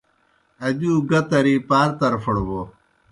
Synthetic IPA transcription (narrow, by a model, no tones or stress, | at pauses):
ɐd͡ʑuːɡɐt̪ɐɾipaːɾt̪ɐɾfɐɽobo